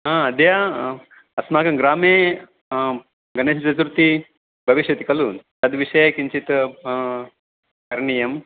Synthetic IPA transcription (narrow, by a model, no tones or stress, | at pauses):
ɦãɐd̪ja | ɐsmaːkɐmɡɾaːmeː | ɡɐneːst͡ʃɐt̪ɾut̪i | bʱɐʋiʃjɐt̪i̥kɐluːnt̪ɐd̪ʋiʂɐjkint͡ʃit̪ | kɐɾɳijɐm